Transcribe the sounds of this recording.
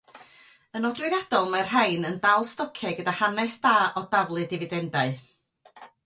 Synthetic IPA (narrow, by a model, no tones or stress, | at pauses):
ənɔdwɪðjad̥ɔlˠmar̥ɦajnəndalˠstɔkʰɛɡədahanɛsd̥aːʔɔdavlˠɨdɪvɨdɛndaɨ